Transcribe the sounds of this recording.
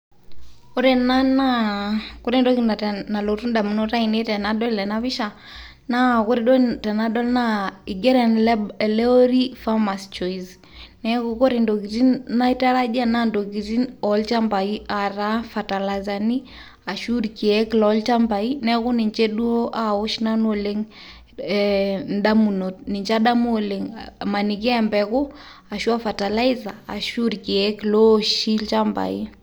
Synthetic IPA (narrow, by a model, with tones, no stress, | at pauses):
kʊ˦ɾɛ˨na˦na˦kʊ˦ɾi˦ndo˦ki˨na˨na˨lo˨tu˦nda˨mu˨no˦ta˦i˨ne˦tɛ˨na˨dɔ˦llɛ˨na˦βɪ˦ʃa˨ | na˦kʊ˦ɾi˦dɔ˦tɛ˨na˦dɔ˦lna˦i˨ɡɛ˦ɾɛ˨nlɛ˨lɛ˦o˦ɾi˦fa˦ma˨st͡ʃɔ˨iz | nɛ˦ku˨ko˦ɾi˨ndo˨ki˨ti˦na˦i˦ta˦ɾa˦d͡ʒa˦na˦ndo˨ki˨ti˦nɔlt͡ʃa˦mba˨i˦a˨ɾa˦fa˨ta˨la˨za˨ni˦ | a˨ʃu˦ɾki˨ɛ˦klɔlt͡ʃa˦mba˨i˦nɛ˦kʊ˦ni˨ɲt͡ʃɛ˦ɗu˦o˦ʔa˨o˦ʃna˦no˨le˦ŋ | ɛnɗa˦mu˨no˨t̚ni˨ɲt͡ʃa˦ɗa˦m˦o˨le˨ŋma˨ni˨k̬i˦ɛ˦mbɛkʊ˦ | a˨ʃu˦a˦fa˨ta˨la˦i˦zaː˨ʃu˦ɾki˨ɛ˦klo˦ʃi˦lt͡ʃa˦mba̰˨i˦